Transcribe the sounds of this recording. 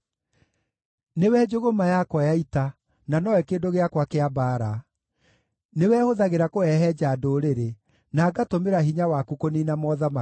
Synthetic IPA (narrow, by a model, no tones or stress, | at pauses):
newɛd͡ʒoɣomajakwajaita | nanɔwɛkeːdoɣeakwakeabaːɾa | newɛhoðaɣeɾakoɛɦɛd͡ʑadoɾeɾe | naːɡatomeɾaɦiɲawakukoninamɔːðama